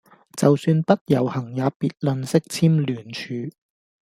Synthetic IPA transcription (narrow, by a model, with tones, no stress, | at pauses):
t͡sɐ˨wsyː˧npɐ˥t̚jɐ˨˩whɐ˨˩ŋjaː˨˧piː˧t̚lɵ˨˧nsɪ˥k̚t͡sʰiː˥mlyː˨˩nt͡ʃʰyː˨˧